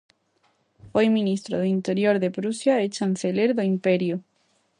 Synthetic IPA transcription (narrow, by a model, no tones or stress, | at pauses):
fojmĩnist̪ɾoðoint̪eɾjoɾðepɾusjaet͡ʃanseleɾðoimpeɾju